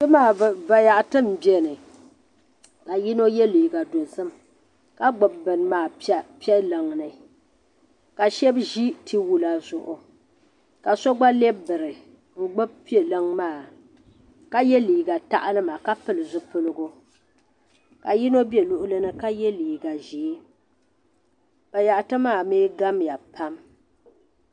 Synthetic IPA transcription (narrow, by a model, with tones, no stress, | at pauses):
ɨ˦maː˦˨va˨ja˨ʔtɨ˦m̩˨bɛ˦nɨ˨ | ka˨ji˦no˦jɛ˦liː˨ɡa˨do˨zɨ˦m | ka˦ɡ͡bʊ˨b̚bɨ˨nmaː˦˨˦pi˦ɛ˦lɨ˨ŋnɨ˨ | ka˨ʃɛ˦bʒi˦tʰi˦wu˨la˨zʊ˨ʔʊ˨ | ka˨so˦ɡ͡ba˦lɛ˦bɨ˨ɾɨ˨ | ŋ̩˨ɡ͡bʊ˦b̚pi˦e˨lɨ˦ŋmaː˦˨ | ka˦jɛ˦liː˨ɡa˨ta̰˦ʔa˦lɨ˦ma˨ka˦pɨ˨lɨ˨zʊ˦pɨ˦lɨ˦ɡʊ˦ | ka˨ji˦no˦be˨lʊ˦ʔʊ˦lɨ˦nɨ˦ka˦jɛ˦liː˨ɡa˨ʒiː˨˦ | pa˨ja˨ʔa˨tɨ˦maː˦˨meː˦ɡa˦mja˨pa˦m